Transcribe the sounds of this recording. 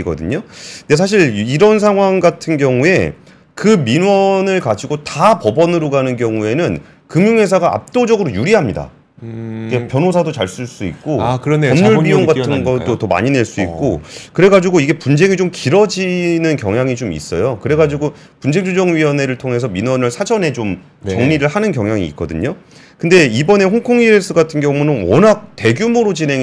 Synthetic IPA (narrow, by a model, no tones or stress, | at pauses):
iɡʌdɯ̰ɲonde̞s̬ʰaɕ̬ʰiɭiɾʌns̬ʰaŋɦwaŋɡatʰɯnɡjʌŋue̞̰ | kɯminwʌnɯɭkad͡ʑiɡotapʌbʌnɯɾoɡanɯnkjʌŋue̞nɯn | kɯmjuŋɦe̞s̬ʰaɡaa̰p̚t͈od͡ʑʌɡɯɾojuɾiɦamɲida̰ | kepjʌnɦos̬ʰadot͡ɕaɭs͈uɭs͈uik̚k͈okɾʌmɲuɭbioŋɡatʰɯnɡʌt͈otʌma̰ɲine̞ɭs͈uḭk͈okɯɾe̞ɡad͡ʑiɡoiɡe̞pund͡ʑeŋit͡ɕomkiɾʌd͡ʑinɯnkjʌŋɦjaŋit͡ɕomḭs͈ʌjokɯɾe̞ɡad͡ʑiɡo | pund͡ʑeŋd͡ʑud͡ʑʌŋɥiʌne̞ɾɯɭtʰoŋɦe̞sʰʌminʌnɯɭsʰad͡ʑʌne̞t͡ɕom | t͡ɕʌŋɲiɾɯɭɦanɯnkjʌŋjaŋḭːk͈̚ʌdɯ̰ɲo | kɯnde̞ibʌne̞ɸoŋkʰoŋiɾes͈ʰɯɡatʰɯnɡjʌŋmunɯnwʌnak̚te̞ɡjumoɾot͡ɕinɦe̞ŋ